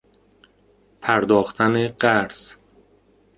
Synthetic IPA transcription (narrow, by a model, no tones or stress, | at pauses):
pʰæɾd̪ɒːxt̪ʰæneɢæɾs